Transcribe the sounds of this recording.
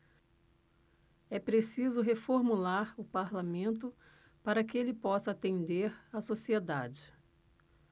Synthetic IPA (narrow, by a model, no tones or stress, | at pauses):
ɛpɾesizʊɦefoɾmulaɾʊpaɾlamẽnt̪̬ʊ | paɾɐkɪelɪpɔsɐat̪ẽnd̪eɾasosied̪ad͡ʒɪ